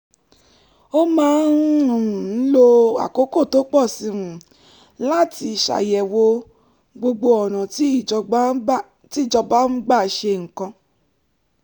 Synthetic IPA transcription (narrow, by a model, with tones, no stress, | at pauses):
o˦mãː˦nɾũ˦˨n̩˦lo˧a̰˨ko˨˦ko˦˨to˨˦k͡pɔ˦˨si˧ɾũ˨ | la˦ti˧˨ʃa̰˨jɛ˨wo˧ | ɡ͡bo˧ɡ͡bo˧ɔ˨nã˨˦˨ | ti˦˨d͡ʒɔ˧ba˦m̩˦ɡ͡ba˦˨ʃe˧ŋ̩˨kã˧